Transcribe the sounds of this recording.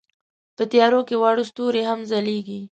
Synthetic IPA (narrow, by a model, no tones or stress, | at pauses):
pət̪ɪjɑɾokewɑɽust̪uɾeɦamzaleɡi